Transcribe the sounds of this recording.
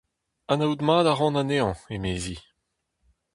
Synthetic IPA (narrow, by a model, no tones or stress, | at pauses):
anawd̪maːd̪aʁɑ̃naneːɑ̃emeːzi